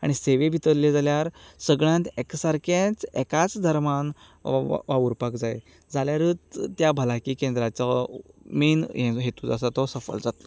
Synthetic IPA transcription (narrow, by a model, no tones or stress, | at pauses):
a̰ɽ̃iseʋebʱit̪əɾled͡zaljaɾsəɡɭãnt̪ɛksaɾkẽt͡sɛ̰kat͡sd̪ʱəɾman̰ | ʋaʋuɾpakd͡zajḛ | d͡zaljaɾɨːt͡s̪t̪ːjabʱəlakiːkẽnd̪ɾat͡ɕamiːnɦẽɦet̪uːd͡zas̬at̪ɔsəfə̰ld͡zat̪lɔ